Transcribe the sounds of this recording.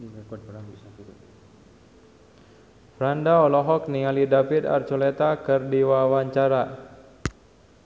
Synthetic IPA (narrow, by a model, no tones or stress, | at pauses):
fɾandaɔlɔɦɔk̚nialidafit̪a̰rt͡ʃolɛt̪akɨrdiwawaɲt͡ʃaɾa